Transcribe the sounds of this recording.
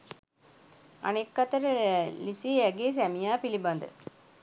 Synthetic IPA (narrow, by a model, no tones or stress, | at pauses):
ɐ̰nekːɐt̪ɐɾəlisiːæɡeːs̬æmijaːpilibɐnd̪ə̰